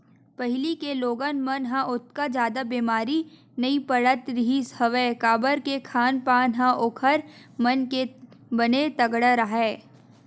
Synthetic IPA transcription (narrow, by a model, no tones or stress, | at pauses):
pɐɦɪlikeloːɡənmɐnɦãʔʊt̪kad͡ʒjaːd̪abiːmaːɾi | nɐipɐɽət̪ɾɪɦishɐʋeːkaːbəɾkekʰaːnpaːnɦãʔoːkʰəɾmɐnkebɐnet̪ɐɡɽəɾaɦɛː